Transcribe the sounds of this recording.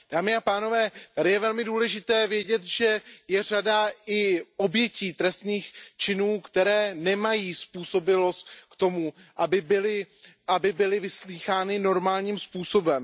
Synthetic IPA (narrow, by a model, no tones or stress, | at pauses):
d̥aːmɪapaːno̞vɛːt̪adɪjɛvɛlmɪduːlɛʒɪt̪ɛːvjɛɟɛt̪ʒɛjɛr̝adaɪʔo̞bjɛciːt̪ɾɛst̪niːxt͡ʃɪnuːkt̪ɛɾɛːnɛmajiːspuːso̞bɪlo̞st̪kt̪o̞muʔabɪbɪlɪʔabɪbɪlɪvɪsliːxaːnɪno̞ɾmaːlɲiːmspuːso̞bɛm